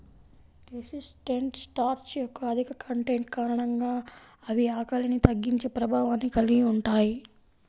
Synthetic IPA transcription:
ɾesisʈeɳʈsʈaːɾt͡ʃjokːɐɐd̪ʱikɐkʰɐɳʈeɳʈkaːɾɐɳɐŋɡaːɐʋiaːkɐlinit̪ɐɡːiɲt͡ʃeːpɾɐbʱaːʋaːnːikɐliɡiuɳʈaːji

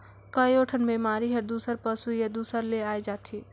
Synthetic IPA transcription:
kəjoʈʰənbiːmaːɾiɦɐɾd̪uːsəɾpəsujɐd̪uːsəɾleaːjd͡ʒaːt̪ʰi

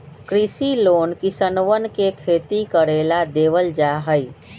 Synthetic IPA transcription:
kɾisiloːnkisənʋənkekʰeːt̪ikəɾelad̪eʋəld͡ʒaɦəj

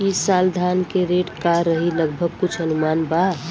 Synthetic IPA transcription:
isaːld̪ʱaːnkeɾeʈkaɾəɦiləɡbʱəɡ̚kʊt͡ʃʰənʊmaːnba

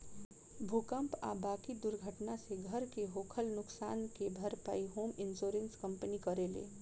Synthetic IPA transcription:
bʱukəmpa̰baːkid̪ʊɾɡʱəʈnaseɡʱəɾkeɦoːkʰəlnʊksa̰ːnkebʱəɾpa̰ːiɦoːmɪnsoːɾenskəmpənikəɾelḛː

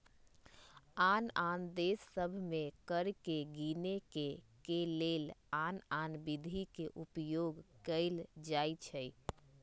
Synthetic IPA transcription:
anand̪esːəbʱmekəɾkeɡinekekelelananbid̪ʱikeʔupjoɡkəld͡ʒajt͡ʃʰəj

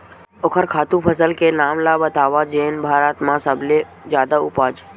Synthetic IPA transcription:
ʊkʰəɾkʰaːt̪ũpʰəsəlkenaːmlabət̪aːʋaːd͡ʒeːnbʱaːɾət̪mãsəble | zjaːd̪aʊ̰paːd͡ʒ

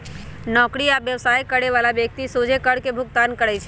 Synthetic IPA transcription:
nɔːkɾiabjəʋsaːjkəɽeʋalabjək̚t̪isod͡ʒʱekəɽkebʱʊɡt̪ankəɾɛt͡ʃʰɛ

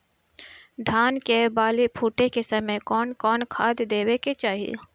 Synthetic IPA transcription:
d̪ʱaːnkebaːlepʰuːʈekesəməjkɔːnkɔːnkʰaːd̪d̪eːweket͡ʃaːɦiḛ

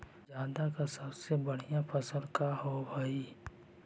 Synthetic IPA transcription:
d͡ʒaːd̪akasəbsebəɽ̤ijãpʰəsəlkaɦobəi

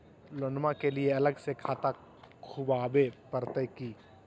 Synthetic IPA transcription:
lõnɖmakelieɐləɡsekʰaːt̪a | kʰubaːbepəɾt̪əkiː

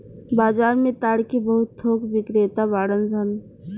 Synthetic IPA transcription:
baːd͡ʒaːɾmẽt̪aːɽkibɐɦʊt̪ːʰoːkʋɪkɾet̪abaːɽənsən

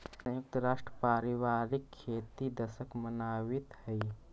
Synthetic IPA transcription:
sɐ̃jʊk̚t̪əɾaːʃʈɾəpaːɾɪʋaːɾɪkʰːeːt̪id̪ɐsəkmɐnaːwɪt̪hɛi

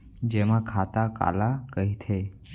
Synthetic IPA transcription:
d͡ʒemãkʰat̪aka̰lakəɦit̪ʰe

